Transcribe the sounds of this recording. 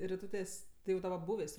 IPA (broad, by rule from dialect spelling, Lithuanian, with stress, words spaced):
rʲɪˈtuːtʲeːs ˈtɐɪ jɛʊ dɐˈbɐ ˈbuːʋʲeːs